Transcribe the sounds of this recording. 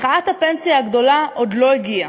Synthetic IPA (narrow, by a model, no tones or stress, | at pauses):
χaathape̞nsijaːɡdo̞laʔo̞d̪lo̞iɡia